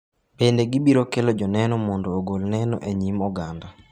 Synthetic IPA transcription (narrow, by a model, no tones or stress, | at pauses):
bendeɡibiɾokelod͡ʒɔnɛnɔmɔndoːɡolnɛnɔ̰ʔeɲimɔɡanda